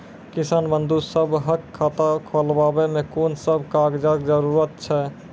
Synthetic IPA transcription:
kɪsaːnbə̃nd̪usəbɦəkʰːaːt̪akʰolbaːbemẽkoːnsəbʱkaːɡd͡ʒakd͡ʒəɾuːɾət̪̚t͡ʃʰɛː

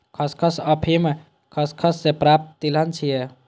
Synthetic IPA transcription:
kʰəskʰəsəpʰime | kʰəskʰəsːepɾap̚t̪d̪ilənt͡ʃʰije

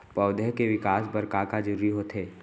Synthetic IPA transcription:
pəːʊd̪əɦkeʋɪkaːsbɐɾkakad͡ʒʊɾɾiɦot̪ʰeː

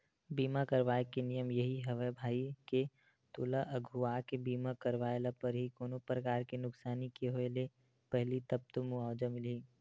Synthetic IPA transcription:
biːmakəɾʋaːekenijəmjɐɦiɦɐʋəbʱaːike | t̪ʊːlaʔəɡʱuaːkebiːmakəɾʋaːelapəɾɦikoːnopɾəkaːɾkenʊksaːnikeɦoele | pɛɦlit̪ɐp̚t̪omuaːd͡ʒəmɪliː

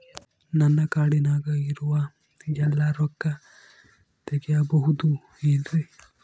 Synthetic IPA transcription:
nɐnːɐkaːɽinaːɡɐiɾuʋɐ | d͡ʒɐlːaɾɔkːɐ | t̪ɛɡɛjɐbɐɦud̪u | endɾe

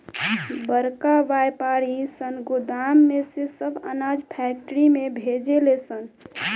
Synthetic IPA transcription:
bəɾkaʋajpaɾisənɡʊd̪amːesesəbʱə̰nad͡ʒpʰɛk̚ʈəɾimebʱed͡ʒelesən

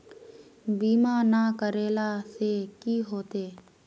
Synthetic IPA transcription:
biːmanakəɾeːlasekiɦoːt̪eː

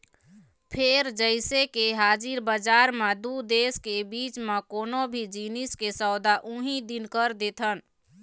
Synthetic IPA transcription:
pʰeɾd͡ʒəɪsekeɦaːd͡ʒiɾbəd͡ʒaːɾmẽd̪ud̪eːskebit͡ʃmekoːnobʱid͡ʒiniskesɔʊd̪aʔũɦid̪inkəɾd̪et̪ʰən

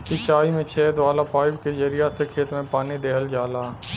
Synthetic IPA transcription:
sɪt͡ʃaːimẽt͡ʃʰɛːd̪ʋaːlapaːɪbkezɐɾijasekʰeːt̪mẽpaːnid̪eːɦəld͡ʒaːlaː

